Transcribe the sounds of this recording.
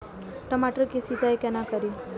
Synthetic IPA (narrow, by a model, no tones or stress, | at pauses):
ʈ̪əmaʈɾəkesid͡zajkɛnakəɾi